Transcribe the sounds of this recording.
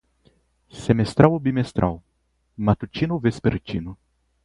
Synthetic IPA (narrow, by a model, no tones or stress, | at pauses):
semest̪ɾawobimest̪ɾʔa̰w | mat̪ut͡ʃinuvespeɾt͡ʃinu